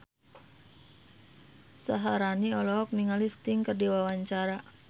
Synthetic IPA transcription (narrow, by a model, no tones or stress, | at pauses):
saɦaɾaniɔlɔɦɔk̚miŋalist̪iŋkərdiwawaɲt͡ʃaɾa